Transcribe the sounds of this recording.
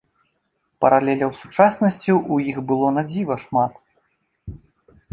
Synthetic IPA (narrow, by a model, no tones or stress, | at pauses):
pɐɾalʲɛlʲɐwsut͡ʂasnɐsʲt͡sʲiʔujixbɨlˠɔnad͡zʲivɐʂmat̪